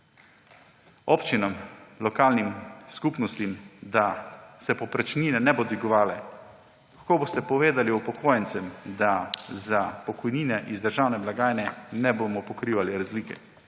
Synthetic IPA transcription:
opt͡ʃinɔmlɔkaːlnimskupnɔst̪imd̪asɛpɔpɾɛt͡ʃniːnɛnɛbod̪iɡɔʋaːlɛ | kḁkoːboːst̪ɛpɔʋeːd̪aliupɔkʰoːjɛnt̪sɛmd̪azapɔkɔjniːnɛʔizd̪əɾʒaːwnɛblaɡaːjnɛnɛboːmɔpɔkɾiːʋaliɾazliːkɛ̰

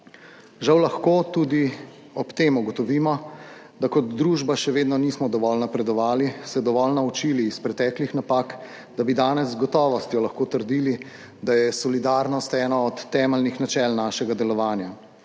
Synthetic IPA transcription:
ʒawlaxkoːt̪uːd̪i | ɔpt̪eːmuɡɔt̪ɔʋiːmɔ | d̪akɔd̪ɾuːʒbaʃɛʋeːd̪nɔnismɔd̪ɔʋɔlnapɾɛd̪ɔʋaːlisɛd̪ɔʋɔlnaut͡ʃiːliːspɾɛt̪ɛːklixnapaːk | d̪abid̪aːnɛzːɡɔt̪ɔːʋɔst̪jɔlɐxkoːt̪əɾd̪iːli | d̪ajɛsɔlid̪aːɾnɔst̪ɛːnaɔt̪ːɛːməlnixnat͡ʃɛːlnaːʃɛɡad̪ɛlɔʋaːnja

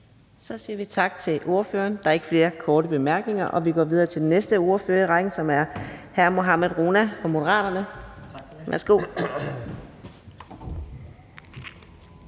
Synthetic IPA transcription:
sɒ̽siːɐʋit͡sʰɑ̈ɡ̥̚t͡sʰe̝lʔo̝ɐføːɐnd̥ɑ̈æɐe̝ɡ̥əfle̝ːɐkʰɒːɾəb̥e̝mæɐɡ̥ne̝ŋɐʔɒ̽ʋiɡ̥ɒ̰ːʋið̞ˠɐːt͡sʰeld̥enesd̥əo̝ɐføɐiʁɑɡ̥n̩sɒ̽mæɐhæɐmo̝ɦɑ̈meðˠʁo̝ːnæfɑ̈mo̝ɾəʁɑ̰̈ːɾ̥ɐnə | ʋæɐsɡ̥o̝̰ː

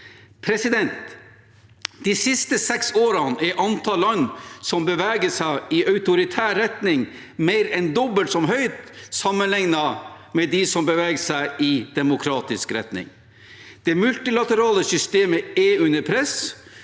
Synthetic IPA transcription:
pʰɾɛsɪd̪ɛnt̪ | d̪̥isɪst̪əsɛksoːɾɑnɛʔɑnt̪ʰɑlːɑnːsɔmbəʋæːɡəsæɪɪʔɑʉt̪ʊɾɪt̪ʰæːɾɛt̪nɪŋ | meɪɾɛnd̪ɔbəlt̪sɔmɦœʏt̪sɑmːənlɪŋnɑ | mɛd̪ɪsɔmbəʋɛːɡəsæɪɪd̪̥ɛmʊkʰɾɑːt̪ɪskɾɛ̰t̪nɪ̰ŋ | d̪̥ɛmʉlt̪ɪlɑt̪əɾɑːləsʏst̪eːməɛʉnəɾpʰɾɛs

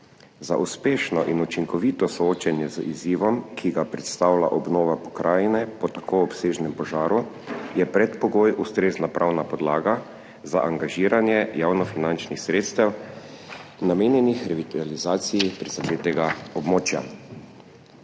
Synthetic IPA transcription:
za̰ʔuspeːʃnɔʔinut͡ʃiŋkɔʋit̪ɔsɔoːt͡ʃanjɛzəʔiziːʋɔmkʰiɡapɾɛt̪st̪awla̰ʔɔbnoːʋapɔ̥kɾʔaːjnɛpɔt̪akʰoɔpseːʒnɛmpɔʒaːɾu | jɛpɾɛt̪pɔɡoːjust̪ɾeːznapɾʔawnapɔd̪laːɡa | za̰ʔaŋɡaʒiːɾanjɛjaːwnɔfinant͡ʃnixsɾeːt̪st̪aw | nameːnjɛnixɾɛʋit̪alizaːt̪sijipɾizad̪eːt̪ɛɡaɔbmoːt͡ʃja̰

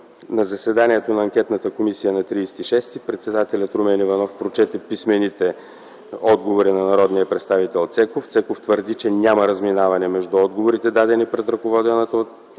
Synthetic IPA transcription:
nɐzɐsɛd̪aniɛt̪onɐːŋkʲɛt̪nət̪əkomisijənɐt̪ɾiːsɛ̥t̪iʃɛst̪ipɾɛt̪sɛd̪at̪ɛlʲət̪ɾomɛnivɐnɔfpɾot͡ʃɛt̪ɛpismɛnit̪ɛ | ɔd̪ɡovoɾinɐnɐɾɔd̪nijəpɾɛt̪st̪avit̪ɛlˠt̪sɛkoft̪sɛkoft̪vəɾd̪it͡ʃɛnʲamɐɾɐzminavɐnɛmɛʒd̪uɔd̪ɡovoɾit̪ɛd̪ad̪ɛnipɾɛt̪ɾɐkovɔd̪ɛnət̪o

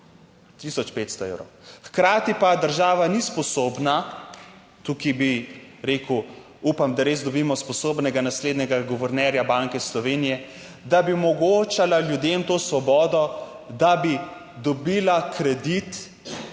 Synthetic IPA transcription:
t̪isɔt͡ʃpeːt̪st̪ɔḛwɾɔ̰wxkɾaːt̪ipad̪əɾʒaːʋanispɔsobna | t̪ukibiɾeːku | upamd̪aɾeːzd̪ɔbiːmɔspɔsoːbnɛɡanasleːd̪nɛɡaɡɔʋɛɾnɛɾjabaŋkɛslɔʋeːnijɛ | d̪abiɔmɔɡoːt͡ʃalaljud̪emt̪oːsʋɔbɔːd̪ɔ | d̪abi | d̪ɔbiːlakʰɾɛd̪it̪

